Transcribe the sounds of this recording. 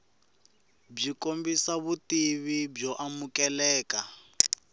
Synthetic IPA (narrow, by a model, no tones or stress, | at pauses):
b͡ʐikombisaβutiβibb͡ʐɔʔamukɛlɛːka